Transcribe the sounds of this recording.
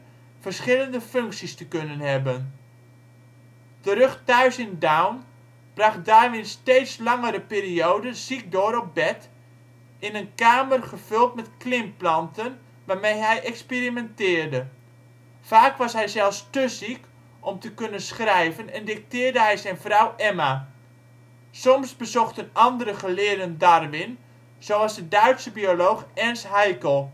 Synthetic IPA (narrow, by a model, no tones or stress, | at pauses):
fərsχɪləndəføŋksistəkønənɦɛbən | təɾɵχtœɥsɪndawn | b̥rɑχdaːrʋɪnsteːtslɑŋəɾəpiːriowdənzik̚doːɾɔp̚bɛt | ɪnənkaːmərχəv̥ʏlˠtmɛtklɪmplɑntən | ʋaːrmejɦɛjʔɛkspirimɛntɪːrdə | faːkʋɔsɦɛjzɛlˠfstøzik | ʔɔmtəkønənsχrɛjvənɛndɪk̚tɪːrdəɦɛjzɛjnfrawʔɛma | sɔmsbəzɔxtənɑndərəχəlɪːərdəndarʋɪn | z̥owɑzdədœɥtsəbiolowxɛnsɦajkəlˠ